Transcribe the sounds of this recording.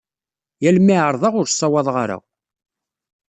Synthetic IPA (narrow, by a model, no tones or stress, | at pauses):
jælmiʕəɾˤðˤɑʁʊɾsˤːɑwɑðˤʁaɾa̰